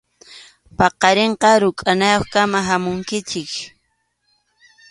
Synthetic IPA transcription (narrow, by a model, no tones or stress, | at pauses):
pɑqɑɾeɴqɑɾʊkʼanajoχkamaɦamʊŋkɪt͡ʃɪk